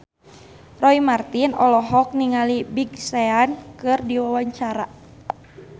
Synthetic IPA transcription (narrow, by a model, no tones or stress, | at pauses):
rɔimart̪inɔlɔɦɔk̚niŋalibiɡsɛankɨrdiwawaɲt͡ʃaɾa